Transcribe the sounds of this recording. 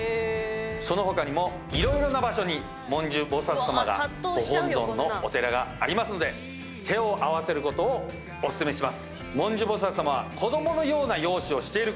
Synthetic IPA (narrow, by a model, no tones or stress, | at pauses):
so̞no̞ɦo̞kaɲ̟imo̞ | iɾõ̞iɾonabaɕo̞ɲ̟i | mõ̞ɲ̟d͡ʑɨbo̞sat͡sɨ̥samaɡa̰ɡoɦõnzõ̞nːo̞ːt̪e̞ɾaɡaːɾʲimasɨno̞d̪e | t̪ʰe̞o̞ʔaβ̞ase̞ɾɯ̟ko̞t̪o̞ː | sɨ̥sɨme̞ɕimasɨ̥ | mõ̞ɲ̟d͡ʑɨbo̞s̬at͡sɨ̥samaβakʰo̞d̪o̞mo̞no̞jo̞ːnajo̞ːɕio̞ɕi̥t̪e̞iɾɯ̟